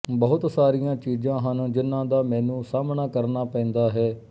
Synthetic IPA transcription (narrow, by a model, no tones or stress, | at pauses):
bəɦʊt̪saːɾijãːt͡ʃiːzãːɦənd͡ʒɪnːãːd̪aːmɛ̃ːnũːsaːmɳaːkəɾnaːpɛ̃ːnd̪aːɦɛː